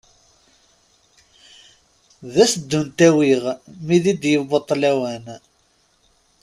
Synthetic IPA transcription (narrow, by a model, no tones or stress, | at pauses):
ðæsəd̪ːunt̪æwiʁmiðid̪jəbot̪ˤːlæwæn